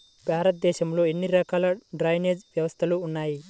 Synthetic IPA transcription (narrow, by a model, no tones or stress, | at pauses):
bʱaːɾɐt̪̚d̪eːʃɐmloenːiɾɐkalɐɖɾajned͡ʒbjɐwɐst̪ʰɐluːnːaji